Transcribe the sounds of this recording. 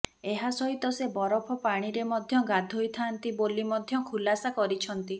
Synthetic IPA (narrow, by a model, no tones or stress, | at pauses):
eɦasɔɦit̪ɔsebɔɾɔpʰɔpaɽ̃iɾemɔd̪ʱjɔɡad̪ʱojt̪ʰant̪ibolimɔd̪ʱjɔkʰulasakɔɾit͡ʃʰɔnt̪i